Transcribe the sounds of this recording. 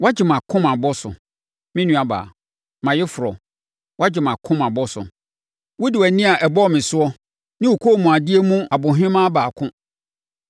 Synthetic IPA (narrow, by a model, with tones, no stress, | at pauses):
wa˦d͡ʑɪ˨mã˨kʰʊ̃˦ma˨bɔ˦sʊ̰˨ | mɪ̃˦nũ˦a˨ba̰ː˨ | mã˨jɛ˦fʊ˨ɾɔ˨ | wa˦d͡ʑɪ˨mã˨kʰʊ̃˦ma˨bɔ˦sʊ̰˨ | wʊ˦dɪ˨wæ˨nĩ˦a˨ʔɛ˨bɔ˦˨mɪ̃˨sʊ˦ɔ˦ | nɪ̃˦wu˨kʰo˦˨mũ˨a˨dɪ˦e˦mũ˦a˨bʊ̃˨ɦɪ̃˦mã˦baː˨kʰʊ̃˦